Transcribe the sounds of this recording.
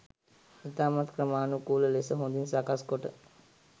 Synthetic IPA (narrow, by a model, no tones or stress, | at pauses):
it̪aːmat̪kɾəmaːnukuːləlesəɦũnd̪insakaskoʈə̰